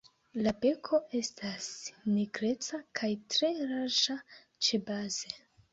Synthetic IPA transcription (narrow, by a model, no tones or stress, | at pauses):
labe̞kʰo̞ʔe̞stasniɡɾe̞t͡sakʰajtɾe̞ɾaʃa | t͡ʃe̞baze̞